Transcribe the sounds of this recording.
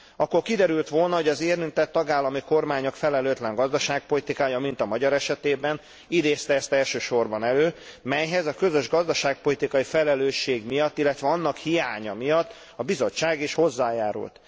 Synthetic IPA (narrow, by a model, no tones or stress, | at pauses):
ɒkːo̞rkid̪ɛɾylt̪ʋo̞lnɒɦo̞ɟɒzeːɾint̪ɛt̪ːɒɡaːlːɒmiko̞rmaːɲokfɛlɛløːt̪lɛŋɡɒzd̪ɒʃaːk̚po̞lit̪ikaːjɒmint̪ɒmɒɟɒɾɛʃɛt̪eːbɛn | id̪eːst̪ɛɛst̪ɛlʃøːʃo̞rbɒnɛløːmɛjɦɛzɒkø̞zøʒɡɒzd̪ɒʃaːk̚po̞lit̪ikɒifɛlɛløːʃːeːɡmijɒt̪ːilːɛt̪ʋɛɒnːɒkhijaːɲɒmijɒt̪ː | ɒbizo̞t͡ʃːaːɡiʃho̞zːaːjaːɾṵlt̪